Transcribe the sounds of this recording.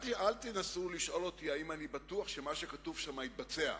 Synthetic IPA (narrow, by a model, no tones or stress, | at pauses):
talt̪enasuliʃʔo̞lo̞t̪iaimanibat̪uaχʃe̞maʃe̞katuvʃamait̪̚bat͡se̞a̰